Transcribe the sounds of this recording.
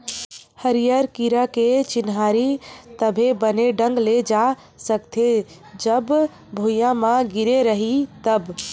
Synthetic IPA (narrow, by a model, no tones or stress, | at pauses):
həɾijəɾkiɾaket͡ʃɪnɦaɾit̪əbʱebəneɖə̃ŋɡled͡ʒa | səkt̪ʰed͡ʒəb | bʱojãmãɡiɾeɾəɦit̪əb